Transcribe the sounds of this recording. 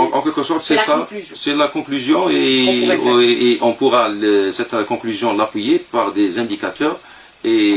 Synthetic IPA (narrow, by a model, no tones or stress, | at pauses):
ʔɑ̃kʲɛlkəsɔʁt̪sɛsasɛlakɔ̃klyzjɔ̃e | ʔɔ̃puʁaləsɛt̪kɔ̃klyzjɔ̃lapwijepaʁd̪ezɛ̃d̪ikat̪œːʁ | e